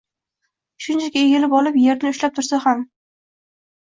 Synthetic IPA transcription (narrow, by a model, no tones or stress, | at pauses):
ʃʊnt͡ʃʰakʲaeɡʲelɪpɒlɪpje̞ɾɪnɪʊʃlap̚t̪ʰʊɾsaham